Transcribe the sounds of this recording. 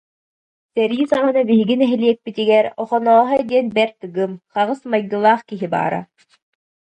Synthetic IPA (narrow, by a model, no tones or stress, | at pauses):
sɛɾjisaʁɯnabiɦiɡinɛɦɛliɛk̚pit̪iɡɛɾɔχɔnɔːɦɑɛd̪iɛnbɛɾt̪ɯɡɯmχaʁɯsmajd̪ɯlˠaːχkiɦiba̰ːɾa̰